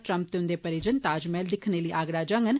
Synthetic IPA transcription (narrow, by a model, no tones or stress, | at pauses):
ʈɾə̃mp̚t̪eʊ̃nd̪eːpəɾid͡ʒənt̪aːd͡ʒmɛːld̪ɪkʰneːləːʔaːɡɽaːd͡ʒəŋɡən